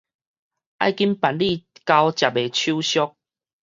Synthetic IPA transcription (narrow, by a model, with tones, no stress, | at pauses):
ʔa̰˥˧˨jki˦npa˨nli˥˧˨ka˧wt͡ɕja˨p̚e˨˩t͡ɕʰu˦ɕjɔ˦k̚